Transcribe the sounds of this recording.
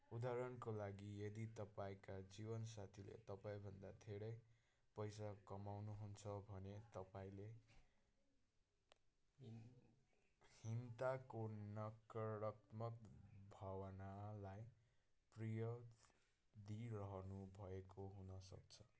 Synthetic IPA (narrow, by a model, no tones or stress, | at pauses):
ud̪aɾʌnkolaɡijʌd̪it̪ʌpaĩkad͡zibʌns̬at̪ʰilḛt̪ʌpaĩbʱʌnd̪at̪ʰeɽʌj | pʌjsakʌmawnuɦunt͡sʰʌbʱʌnet̪ʌpaĩle | hint̪akonʌkɾʌkmʌkbʱawʌnalaj | prijʌ | d̪irʌɦʌnubʱʌekoɦunʌsʌ̰kt͡sʰʌ̥